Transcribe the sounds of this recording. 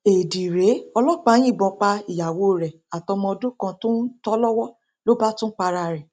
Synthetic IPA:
e˨di˨ɾe˨˦ɔ˧lɔ˦k͡pa˧˦j̃ĩ˦˨bɔ̃˧k͡pa˧i˨ja˨wo˨˧˦ɾɛ˨ | a˨tɔ˧mɔ̃˧ɔ˧do˦kã˧tũ˦n̩˦tɔ˦lɔ˦wɔ˦ | lo˦ba˦tũ˦k͡pa˧ɾa˧ɾɛ˨

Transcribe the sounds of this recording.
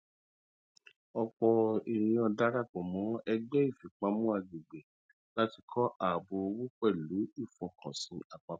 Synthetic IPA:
ɔ˧k͡pɔ˧i˨ɾĩ˨ɔ̃˧da˦ɾa˦˨k͡pɔ˨mɔ̃˨˦ɛ˧ɡ͡bɛ˦i˦˨fi˨k͡pa˧˦mũ˦a˧ɡe˨ɡ͡be˨ | la˦ti˧kʰɔ˦ʔa˨bo˧o˧wu˦k͡pɛ˦˨lu˨˦i˦˨fɔ˧kʰɔ̃˨sĩ˧a˨k͡pa˧˦

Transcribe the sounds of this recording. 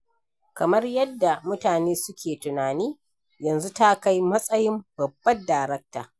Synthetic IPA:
kɐ˨mɐ˦rjɐ˦dːa˨mʊ˦taː˨neː˦sʊ˦kʲeː˨tʊ˨naː˨niː˦ | jɐ˨nzu˦ta˦ka˦jmɐ˦sʼɐ˦jɪ˦mbɐ˨bːɐ˦daː˨jɾɐ˦k̚ta̰ː˨

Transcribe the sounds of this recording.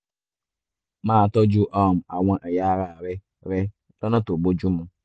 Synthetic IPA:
ma˦˨tɔ˦d͡ʒu˦ʔɔ˦˨m̩˨a˨wʷa˦ʔe˨ja˦ɾa˨ɾɪ˦ | ɾɪ˦ | lɔ˦nɔ˦to˨ɡ͡bo˦d͡ʒu˦mʊ˦

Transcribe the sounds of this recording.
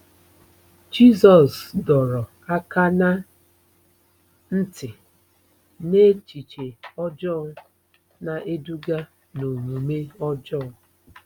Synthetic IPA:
d͡ʒi˦sɔ˨sdɔ˨ɾɔ˨ | a˦ka˦na˦ | n̩˦tɪ˨ | ne˦t͡ʃi˨t͡ʃe˨ɔ˦d͡ʒɔ˦˨˦ | na˨ʔe˦du˦ɡa˦ | no˨ɲu˨me˦ɔ˦d͡ʒɔ˦˨˦

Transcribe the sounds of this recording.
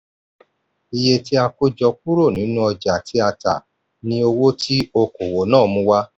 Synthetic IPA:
i˧je˧ti˦a˧ko˦d͡ʒɔ˧k̚u˦ɾo˦˨nĩ˨˦nũ˦ɔ˧d͡ʒa˨tʰi˨˦a˧ta̰˨ | nĩ˦o˧wo˦tʰi˦o˧ko˨wo˨nãː˦˨˦mũ˧˦wa˦

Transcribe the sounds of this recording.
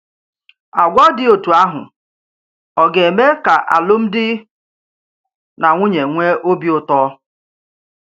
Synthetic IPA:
a˨ɡʷɔ˦dɪ˦o˨tu˨a˦ɦʊ̰˨ | ɔ˨ɡe˨me˦ka˨ʔa̰˨lʊ˦m̩˦dɪ˦ | na˨ŋʷu˦ɲe˨ŋʷe˦ʔo˦bi˦ʊ˨tɔ˦

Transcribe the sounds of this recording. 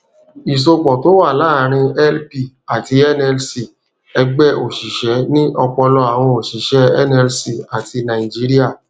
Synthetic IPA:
i˨s̬o˧k͡pɔ˨to˨˦wa˦˨laː˦˨ɾ̃ĩ˧ɛ˦lpi˦˨ | a˨ti˧ɛ˦nɛ˧lsi˨ | ɛ˧ɡ͡bɛ˦ʔo˨ʃi˨ʃɛ˨˦nĩ˦ʔɔ˧k͡pɔ˧lɔ˧a˨w̃ɔ̃˧o˨ʃi˨ʃɛ˨˦ɛ˦nɛ˧lsi˦˨a˨ti˧nã˨i˨d͡ʒi˨˦ɾi˦a˦˨

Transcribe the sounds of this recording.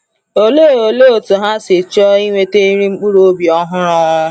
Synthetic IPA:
o˦lo˦˨o˨lo˦˨tʊ˨ɦa˦si˨t͡ʃɔ˦i˦wʷe˦te˦i˦ɾi˦ŋ͡m̩˦k͡pu˦ɾo˦bi˨ɔ˨ɦʊ̃˦ɾɔ˦ʊ˦˧˦

